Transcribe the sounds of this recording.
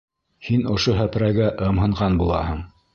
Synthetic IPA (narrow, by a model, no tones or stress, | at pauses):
hinŏʃoɦæpɾæɡæʔɤ̆mɦɤ̆ɴʁɑnbulˠɑ̰hɤɴ